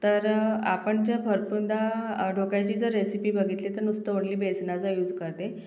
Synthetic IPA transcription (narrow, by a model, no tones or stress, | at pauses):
t̪əɾapəɳd͡ʑəɾbʱəɾpund̪aɖʱokat͡ɕiːd͡zəɾːesipiːbəɡʱit̪let̪əɾnust̪əʋɳliːbesnat͡sajuːd͡zkəɾt̪e